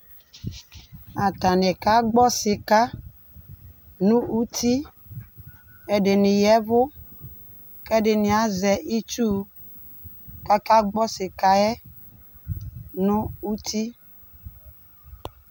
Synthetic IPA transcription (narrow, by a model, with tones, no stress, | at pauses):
a˨t̪a˨nɛ˨ka˦ɡ͡bɔ˦sɪ˨ka˦ | nũ˦u˦t̪i˦ | ɛ˨ɖɪ˨nɪ̃˨jɛ˨˦vʊ˦ | kɛ˦ɖɪ˨nɪ̃˨a˦zɛ˨ʔi˦t͡ʃu˦ | ka˦ka˦ɡ͡bɔ˦sɪ˨ka˦ɛ˦ | nũ˦u˦t̪i˦